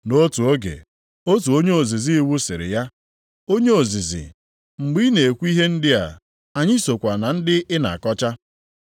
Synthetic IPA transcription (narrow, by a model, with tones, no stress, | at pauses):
no˦tu˨o˦ɡḛ˨ | o˦tu˨o˦ɲe˦o˨zi˨zi˦wu˦sɪ˨ɾɪ̰˨ja˦ | o˦ɲe˦o˨zi˨zḭ˨ | ŋ͡m̩˨ɡ͡bi˦ne˨e˨kʷu˦i˦ɦe˦n̩˦dɪ˦a̰˨ | a˨ɲɪ˦so˨kʷa˨na˨n̩˦dɪ˦ʔɪ˦na̰˨a˨kɔ˦t͡ʃa˦